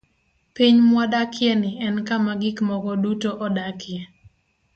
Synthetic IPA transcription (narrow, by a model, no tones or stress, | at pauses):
piɲmwadakjɛnɪʔɛnkamaɡɪkmɔɡɔdutoʔɔdakjɛ